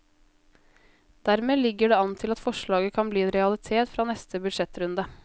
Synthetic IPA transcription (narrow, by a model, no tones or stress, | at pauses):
d̪̥æɾmeːlɪɡːəɖeːɑnt̪ʰɪlɑt̪fɔʂɭɑːɡəkʰɑnbliːɛnɾɛɑlɪt̪ʰeːt̪fɾɑːnɛst̪ʰəbʉd̪ʂɛt̪ɾʉnd̪ɑ